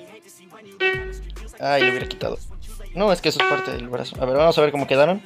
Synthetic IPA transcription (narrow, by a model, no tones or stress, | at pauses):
ajleuβjeɾaki̥t̪a̰ðo̰no̞eskees̬oespaɾt̪ḛðelβaɾa̰sonaβe̞ɾβbamosaβeɾko̞mo̞ke̞ðaɾo̞n